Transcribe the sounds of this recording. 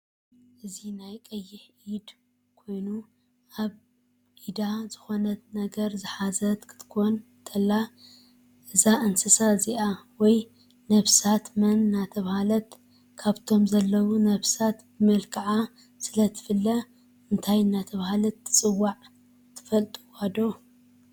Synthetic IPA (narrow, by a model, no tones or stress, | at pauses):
ʔɨzinajkʼɐjːɪħ | id̪ | kʰo̞jnu | ʔaβ | ʔid̪azɨxo̞nɐt̪nɐɡɐɾzɨħazɐt̪kʰɨ̥t̪ʰkʰon | t̪ʰɐlːa | ʔɨzaʔɨnsɨsaziʔawɔj | nɐβsat̪mɐnːat̪ʰɐβhalɐt̪ | kʰaβt̪ʰo̞mzɐlːɐwunɐβsat̪bɨmɐlkʰaʕa | sɨlɐt̪ʰɨ̥fɨlːɐ | ɨnt̪ʰajɨnːat̪ʰɐβahalɐt̪ːɨ̥t͡sʼɨwːaʕ | t̪ʰɨ̥fɐlt̪ʼuwad̪o̞